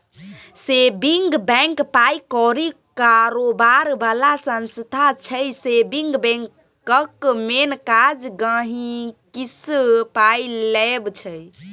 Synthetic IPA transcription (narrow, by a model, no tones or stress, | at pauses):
sebiŋɡbɛ̃ŋkpajkɔɾikaɾobaɾbalasə̃nst̪ʰat͡ʃʰəjsebiŋɡbɛ̃ŋk | əkmenkad͡ʒɡə̃ɦĩkispajlɛbt͡ʃʰəj